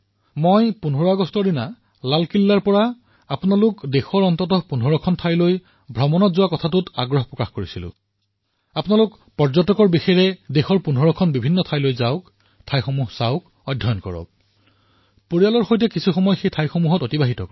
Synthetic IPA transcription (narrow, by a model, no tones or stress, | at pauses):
mojpunɦɔɹɔaɡɔstɔɹdina | lalkilːaɹpɔɹa | apʊnalʊkdexɔɹɔntɔtɔpunɦɔɹɔkʰɔntʰajloj | bʱɔmɔnɔtzʊwakɔtʰatʊta̰ɡɹɔɦpɹɔkaxkoɹisilʊ̰̃ | apnalʊk | pɔɹzɔtɔkɔɹbixɛɹɛdexɔɹpunɦɔɹɔkʰɔnbibʱinːɔtʰajlojzaʊk | tʰajxɔmuɦsaʊk | ɔdʱːɔjɔnkɔ̰ɹɔ̰k̚ | puɹijalɔɹxojt̬ɛkisʰuxɔmɔjxejtʰajxomuɦɔtotibaɦitɔkɔ